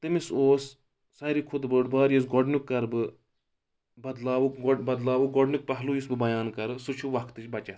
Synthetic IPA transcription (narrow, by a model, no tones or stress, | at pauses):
t̪ɨmisoːsː | ɐɾikʰʊd̪bəːʈbaːɾjus̬ɡɔɖnukːɐɾbɨ | bɐd̪laːʋukɡɔbɐd̪laːʋuk̚ɡɔɖnuk̚pɐɦlujusbɨbɐjaːnkɐɾɨsut͡ʃʰuʋɐkʰt̪ɨt͡ʃʰbɐt͡ʃɐt̪